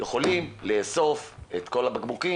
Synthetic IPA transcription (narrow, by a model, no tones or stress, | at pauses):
jeχo̞limle̞ːso̞fet̪ko̞labaɡmuki